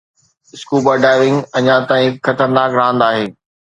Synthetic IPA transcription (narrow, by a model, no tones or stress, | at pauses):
ɪskuːbaːɖaːɪʋɪ̃ŋɡɐɲãt̪aːĩxɐt̪əɾnaːkɾaɦə̃nd̪aːɦeː